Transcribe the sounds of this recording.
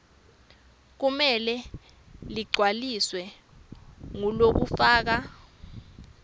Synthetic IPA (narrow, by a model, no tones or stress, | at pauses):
k̬umɛlɛ | liɡ͡ǀʱwaliswɛ | ŋulok̬ufaːk̬a